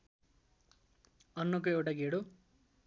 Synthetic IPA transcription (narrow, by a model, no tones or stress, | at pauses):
ʌnːʌkoewʈaɡʱeɽo